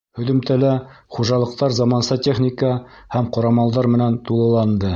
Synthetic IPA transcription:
hɵ̆ðɵ̆mt̪ælæχuʒɑlˠɤ̆q̚t̪ɑɾzɑmɑnsɤtʲeχnʲikəhæmqɑɾɑmɑlˠdɑɾmɘ̆nænt̪ulˠɤ̆lˠɑnd̪ɤ

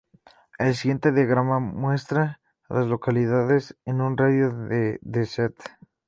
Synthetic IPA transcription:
els̬iɣje̞nt̪eðjaɣɾamamwe̞st̪ɾa | lazlo̞kaliðaðesenunraðjoeðeset̪

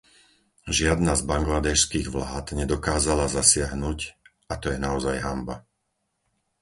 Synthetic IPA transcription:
ʒɪad̪nazbaŋɡlad̪ɛʃskiːɣʋlaːt̪ɲɛd̪ɔkaːzalazasɪaɦnuːcʔat̪ɔjɛnaɔzajɦamba

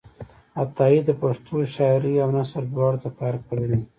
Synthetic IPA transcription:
at̪ɑid̪əpaʂt̪oʃɑɾiawnasəɾd̪wɑɽt̪akɑɾkəɽeli

